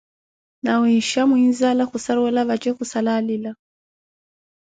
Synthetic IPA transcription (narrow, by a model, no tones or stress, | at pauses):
nawiʃamwinzalakusaɾwɛlaβat͡ʃɛkusalalila